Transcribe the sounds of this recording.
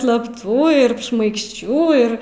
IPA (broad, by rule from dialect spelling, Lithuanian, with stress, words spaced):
slˠɐpˈtuː ɪr ʃmɐɪkʃʲˈt͡ʃʲuː ɪr